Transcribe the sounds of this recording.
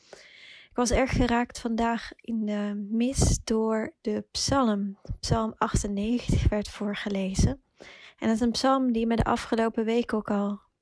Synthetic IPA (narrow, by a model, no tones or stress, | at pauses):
ɪkʋɑsɛɹχχəraːktfɑndaːχɪndəmɪsd̥ʊːɹdəpsɑlˠəmpsɑlˠmɑχtənːejχəntəχʋɛɹtfʊːɹχəlejzən | ɛndɑtɪsənpsɑlˠmdimɛdə̰ʔɑfχəlowpəʋejkowkɑlˠ